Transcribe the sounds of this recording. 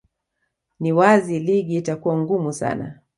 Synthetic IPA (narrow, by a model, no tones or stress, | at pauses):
niwaziliɠiitakuwaŋɡumusa̰na̰